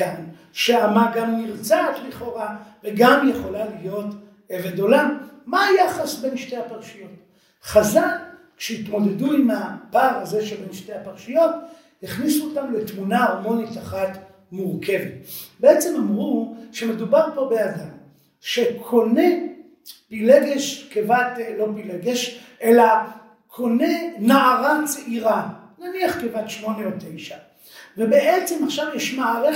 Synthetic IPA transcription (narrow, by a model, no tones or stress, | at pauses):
an | ʃeamaɡamniʁt͡saːtliχo̞ʁaveɡamjeχo̞lalijo̞t | evedo̞lamaːjaχasbe̞nʃtehapaʁʃijo̞t | χazalkʃeitmo̞de̞duimapaːʁaze̞ʃelbenʃte̞hapaʁʃijo̞t | hiχnisuotamle̞tmunaoʁmo̞nitaχat | muʁke̞vetbeet͡semamʁuʃeme̞dubaʁpo̞bejadam | ʃekʰo̞ne | pileɡeʃkevatlo̞pileɡeʃʔela | kʰo̞nenaaʁat͡seʔiʁananiaχkevatʃmo̞neotːejʃa | vebeʔet͡semaχʃavjɛʃmaaʁe